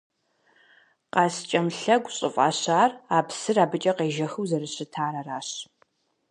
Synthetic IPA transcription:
qɑːst͡ʃʼɐmɬɐɡʷɕʼɪfʼa̰ːɕaːraːpsɨraːbɨt͡ʃʼɐqeːʒɐxɨwzɐrɨɕɪtʰaːɾɐraːɕ

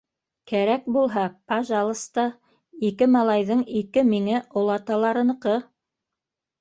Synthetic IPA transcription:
kæɾæk̚bulˠɦɑpɑʒɑlˠɤ̆st̪ɑ | ikɘmɑlˠɑjðɤɴikɘmiŋæʔŏlˠɑt̪ɑlˠɑɾɤ̆nɤqɤ

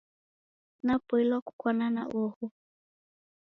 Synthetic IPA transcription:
napɔilwaku̥kwanana̰ʔɔhu

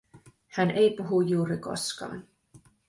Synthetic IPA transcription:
hænʔejpuɦujːuːɾiko̞̰skɑ̰ːn

